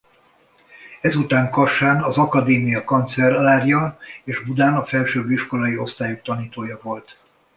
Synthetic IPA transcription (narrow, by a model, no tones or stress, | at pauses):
ɛzut̪aːŋkɒʃaːnɒzɒkɒd̪eːmijɒkɒnt̪sɛrlaːrjɒeːʒbud̪aːnɒfɛlʃøːbiʃko̞lɒjio̞st̪aːjukt̪ɒniːt̪oːjɒvo̞lt̪